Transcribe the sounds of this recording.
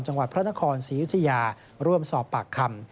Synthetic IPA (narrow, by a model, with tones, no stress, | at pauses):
nt͡ɕa˧ŋwa˨t̪̚pʰɾa˦˥na˦˥kʰɔː˧nsiː˩˦ju˦˥t̪ʰːa˧jaː˧ | ɾu˥˩əmsɔː˨˩pːaː˨˩kʰːa˧m